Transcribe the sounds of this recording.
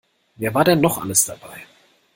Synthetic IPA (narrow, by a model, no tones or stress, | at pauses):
veːɐvaːɐdɛnːɔχʔa̰ləsd̥abaɪ